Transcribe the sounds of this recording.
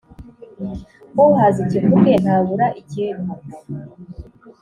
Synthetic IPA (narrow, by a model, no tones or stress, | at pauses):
kouhazicimuken̥aβuɾaʔicinu